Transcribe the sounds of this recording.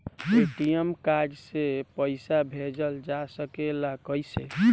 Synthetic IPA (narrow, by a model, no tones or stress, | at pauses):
piʈijəmkad͡ʒsepəɪsabʱed͡ʒəld͡ʒasəkelakəjsḛ